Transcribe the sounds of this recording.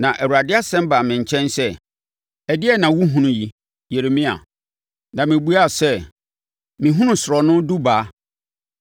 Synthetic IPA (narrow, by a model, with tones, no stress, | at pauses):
nã˨ʔæ˨wu˨ɾa˨dɪ˦a˦sɛ̃˦mba˨mɪ̃˨ɲ̩˨t͡ɕʰɛ̃˦nsɛ˦ | ɛ˨dɪ˦ɛ˦nã˨wu˦ɦũ˦nũ˨ji˨ | je˨ɾe˨mĩ˦a̰˨ | nã˨mɪ̃˨bu˦a˦˨sɛ˦ | mĩ˨ɦũ˦nũ˦sɾɔ˨nʊ̃˦du˦baː˨˦